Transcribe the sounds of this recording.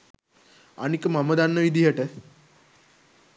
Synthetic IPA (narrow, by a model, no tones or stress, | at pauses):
a̰ñikəmaməd̪anːəʋid̪ʱiɦeʈə